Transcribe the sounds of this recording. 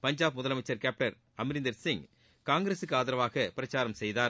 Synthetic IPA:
pɐɲd͡ʒaːbmʊðɐlɐmɐɪt͡ʃːɐɾkaːp̚ʈɐɾ | ɐmɪɾɪnd̪ɐɾsɪŋ | kaːŋɡɪɾeːsɯkːɯaːðɪɾɐʋaːɣɐpɪɾɐt͡ʃːaːɾɐmsɛjðaː

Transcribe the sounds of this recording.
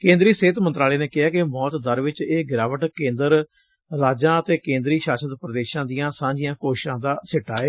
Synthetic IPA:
kẽːnd̪ɾiːseːt̪mənt̪ɾaːleːneːkɪɦaːkɪmɔːt̪d̪əɾʋɪt͡ʃeːɡɪɾaːʋəʈkẽːnd̪əɾ | ɾaːd͡ʒãːət̪eːkẽːnd̪ɾiːʃaːsəd̪pɾəd̪eːʃãːd̪ijãːsãːɲd͡ʒɪjãːkoːʃʃãːd̪aːsɪʈːaːeː

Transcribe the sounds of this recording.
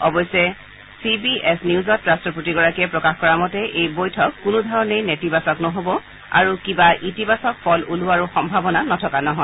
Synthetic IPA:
ɔbɔjsɛ | sibiɛsniuzɔtɹastɔputiɡɔɹakiɛpɹɔkaxkɔɹamɔtɛʔejbojtʰɔkːʊnudʱɔɹɔnejnetibasɔknɔɦobɔ | a̰ɹukibaʔitibasɔk̚pʰɔluluaɹuxɔmbʱabɔnanɔtʰɔkanɔɦɔ

